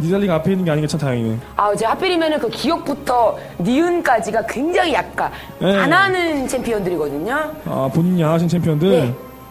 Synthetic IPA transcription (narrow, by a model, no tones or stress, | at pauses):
didaʎːiɡapʰeinːɯnɡe̞aɲiŋɡat͡ɕʰatajʌŋinɯnat͡ɕehap͈iɾimjʌnɯnkɯkijʌk̚p͈utʰʌ | niɯnk͈ad͡ʑiɡakwe̞ŋd͡ʑaŋijak̚k͈an | jeananɯnt͡ɕʰempʰiʌndɯɾiɡʌdɯɲoa̰poɲiɲanɦaɕʰint͡ɕʰempʰiʌndɯɭ